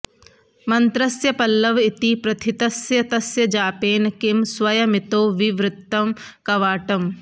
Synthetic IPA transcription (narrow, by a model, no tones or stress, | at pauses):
mɐnt̪ɾɐsjɐpɐlːɐʋit̪ipɾɐt̪ʰit̪ɐsjɐt̪ɐsjɐd͡ʒaːpeːnɐkimswɐjɐmit̪oːʋiʋɾɪt̪ːɐmkɐʋaːʈɐm